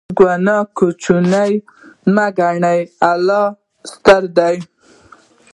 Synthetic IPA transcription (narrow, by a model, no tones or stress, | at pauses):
ɡwanɑkut͡ʃunajmaɡaɳajalɑ | st̪aɾd̪aj